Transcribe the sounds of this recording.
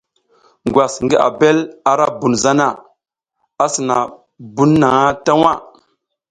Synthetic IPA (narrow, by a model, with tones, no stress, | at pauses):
ŋɡwa˨sŋɡi˦ʔa̰˨be˦la˨ɾa˦bu˨nza˦na˦˨ | a˦si˨na˨ | bu˦nːa˨ŋa˦ta˦wa˦˨